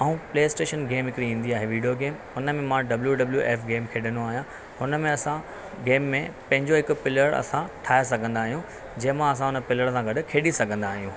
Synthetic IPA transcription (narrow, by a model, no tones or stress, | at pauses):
aːũpleːɪsʈeːʃənɡeːmɪkɾiĩːn̆d̪iaːɦeʋiːɖijoɡeːmɦʊnə̆mẽmãɖɐbljuɖɐbljuʔeːfɡeːmkʰeːɗənoaːɦijã | hʊnə̆mẽɐsã | ɡeːmːẽpɐ̃ɦɪ̃ɲd͡ʑoɦɪkʊ̆pɪləɾɐ̰sãʈʰaːesɐɡʱə̃nd̪aːɦijũ | d͡ʑɐɦmãɐs̬ãɦʊnəpɪləɽsãɡɐɖʊkʰeːɗisɐɡʱə̃nd̪aːɦijũː